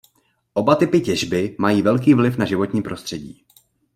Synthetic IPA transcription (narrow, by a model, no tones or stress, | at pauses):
ʔo̞bat̪ɪpɪcɛʒbɪmajiːvɛlk̬iːvlɪfnaʒɪvo̞t̪ɲiːpɾo̞st̪r̝̥ɛɟḭː